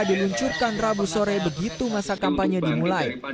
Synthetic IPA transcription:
diluɲt͡ʃurkanrabusoɾɛbəɡit̪umasakampaɲədimulaj

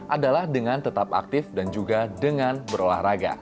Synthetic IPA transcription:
ʔadalahdəŋant̪ət̪apa̰k̚t̪ɪfdand͡ʒuɡadəŋanbəɾola̰hraɡa̰

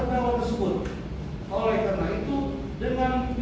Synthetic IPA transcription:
ət̪awat̪ərsəbʊt̪̚ | ʔolɛhk̪ənaŋit̪u | dəŋanb

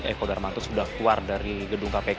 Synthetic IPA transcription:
ɛ̰kodarmant̪usudahkluardaɾiɡəduŋkape

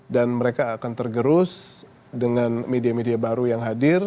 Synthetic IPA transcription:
danməɾekaːkant̪ərɡəɾʊs | dəŋanmediamediabaɾujaŋɦadɪr

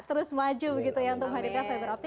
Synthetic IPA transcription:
t̪əɾʊsmad͡ʒubəɡit̪ujaŋt̪ʊmɦaɾit̪afabəɾap̚t̪i

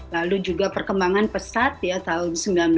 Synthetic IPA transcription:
lalud͡ʒuɡapərkəmbaŋanpəsat̪̚jat̪aʊnsəmbilanb

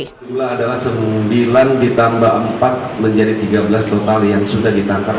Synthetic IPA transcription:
tulaːdalahsəmbilandit̪ambaəmpat̪̚məɲd͡ʒadit̪iɡabəlast̪ot̪aljaŋsudahdit̪ant̪a

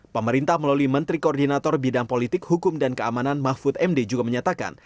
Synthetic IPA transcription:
pəməɾint̪ahməlaluimənt̪ɾikoːrdinat̪ɔrbidaŋpolit̪ɪkhukʊmdankəamananmahfʊt̪ɛmded͡ʒuɡaməɲat̪aka̰n

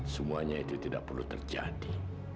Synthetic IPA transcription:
səmuaɲait̪ut̪idaʔ̚pərlut̪ərd͡ʒa̰di

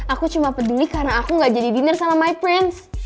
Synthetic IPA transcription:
ʔakut͡ʃumapədulikarnaːkuŋɡaʔd͡ʒadibinərsamamajpɾɪns

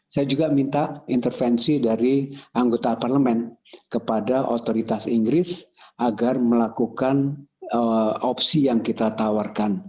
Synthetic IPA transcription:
sajad͡ʒuɡamint̪aint̪ərfɛnsidaɾiʔaŋɡot̪aparləmɛnkəpadaʔot̪oɾit̪asiŋɡɾɪsʔaɡarməlakukanəɔpsijaŋkit̪at̪awarkan

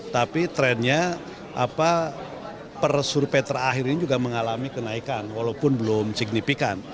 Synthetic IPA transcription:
t̪apit̪ɾɛnɲa | ʔa̰pa | pərsurpɛt̪əɾaɦiɾinid͡ʒuɡaməŋalamikənaikanwalawpʊnbəlʊmsiɡ̚nifikan

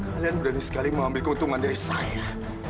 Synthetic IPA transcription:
kalianbudanisə̥kaliməŋambɪlkunt̪uŋandaɾisaja

